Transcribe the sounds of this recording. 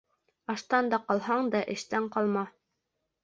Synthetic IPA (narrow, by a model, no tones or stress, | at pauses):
ɑʃt̪ɑnd̪ɑqɑlˠhɑɴd̪ɑʔɘ̆ʃt̪æɴqɑlˠmɑ